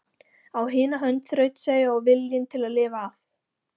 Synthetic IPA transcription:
awɦɪːnaɦœnt̪θɾœɥt̪seːjʏawvɪljɪnt̪ʰɪlaðlɪːvaːf

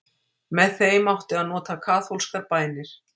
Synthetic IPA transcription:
mɛðθejmawht̪ɪaðnɔːt̪akʰaːθowlskaɾpaːjnɪɾ̥

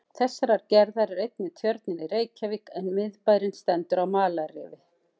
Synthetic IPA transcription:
θɛsːaɾaɾ̥cɛɾðaɾɛɾejt̪̚nɪt̪ʰjœɾt̪nɪnɪreːjcaviːkɛnmɪðpaːjɾɪnst̪ɛnt̪ʏɾawmaːlarɪ̰ːvɪ

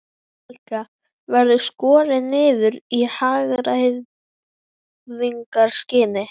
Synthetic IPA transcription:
ɛlka | vɛɾðʏskɔːɾɪnːɪːðʏɾihaːɣɾajð | ðiŋkaɾ̥scɪːnɪ

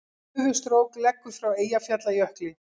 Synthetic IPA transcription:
vʏst̪ɾoːwklɛkːʏ̥fɾaweːjafjat̪lajœhklɪ

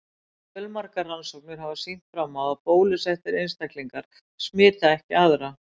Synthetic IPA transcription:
fœlmaɾkaːansowk̚nɪɾ̥ɦavasin̥t̪fɾamːawapoːwlɪsɛft̪ɪɾejnst̪ahkliŋkaɾ̥ | smɪːt̪aɛhcɪaðɾa

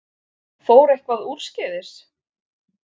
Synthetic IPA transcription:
foːwɾehkvaðuːt̪scɛːðɪs

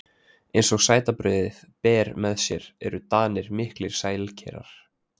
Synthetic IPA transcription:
ejnsɔɣsaːjt̪apɾʏːðɪð | pɛːɾmɛðsjɛɾɛ̰ɾʏt̪aːnɪɾmɪhklɪɾ̥saːjlcʰɛ̰ːɾa̰ɾ̥

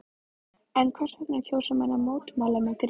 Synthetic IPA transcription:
ɛnkʰvɛr̥vɛk̪nacʰoːwsʏmanːamoːwt̪malamɛkɾ

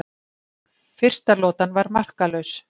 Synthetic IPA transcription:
fɪr̥st̪alɔːt̪anvaɾmar̥kalœɥs

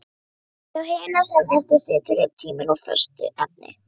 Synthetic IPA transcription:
θawheːjnḁsɛmɛrt̪ɪsɪːt̪ʏɾɪɾt̪ʰiːmɪnɔfœ̰r̥st̪ʏ̰ʔap̚nɪ̰

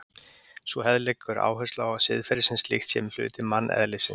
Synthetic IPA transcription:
svɔhɛðlɛkʏɾa̰ːwɦœst̪lawasɪðfɛɾɪsɪnst̪lḭxt̪sjɛml̥ʏ̰ːt̪ɪmanːʔɛ̰ðlɪsɪn

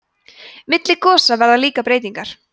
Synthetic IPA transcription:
mɪt̪lɪkʰɔːsavɛɾðaliːkapɾeːjt̪iŋkaɾ̥

